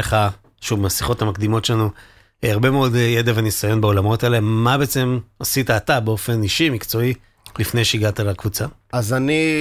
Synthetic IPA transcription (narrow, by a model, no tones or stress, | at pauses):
eχa | ʃuvemasi̥χo̞thamakd̪imo̞tʃelanu | aʁbe̞meo̞djedavanisajo̞nbeo̞lamo̞telemabeet͡se̞masitaːtabeo̞fe̞niʃimikt͡so̞i | lifne̞jʃeiɡatalakvut͡saazani